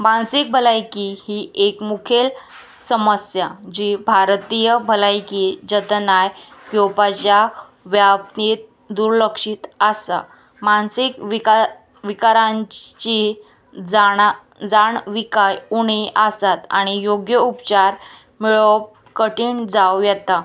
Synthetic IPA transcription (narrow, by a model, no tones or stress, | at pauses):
mansik̚bʱəlajkihiekmukʰel | səməsjad͡ʑiːbʱaɾt̪ijəbʱəlajkid͡ʑət̪najkjopat͡ɕja | ʋjap̚t̪it̪̚ | d̪uɾləkʂiːt̪əsa̰ | mansikʋia | ʋikaɾãɲt͡ɕi | d͡z | d͡zaɳʋikajuɳiʔasat̪a̰ɽ̃ijoɡjəupt͡ɕaɾ | miɭɔp | kəʈiːɳd͡zawjɛt̪a